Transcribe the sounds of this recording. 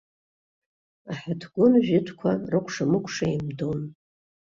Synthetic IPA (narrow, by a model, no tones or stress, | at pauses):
aħatʰɡʷʊnʒᶣɪtʰkʷʰarɨkʷʰʂamɨkʷʰʂaimdon